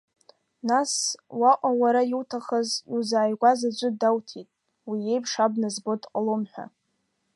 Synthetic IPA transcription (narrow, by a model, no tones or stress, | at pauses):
naswaqʷʼawaɾajiwtʰaχəzizaːjɡʷazad͡ʒʷʼɨdawtʰitʼ | wije̞jpʰʂabnazbo̞tʼqʼalomħʷᶣa̰